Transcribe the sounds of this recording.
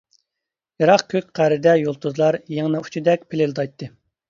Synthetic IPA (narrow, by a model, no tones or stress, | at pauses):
jɑɾɑqkʲʰøkʲqʰæɾɪd̪ɛjolˠt̪ʰuzlˠɑɾjeŋnɨu̥t͡ʃʰid̪ɛk̚ʲpʰɪlɪld̪ɑjt̪ʰːɨ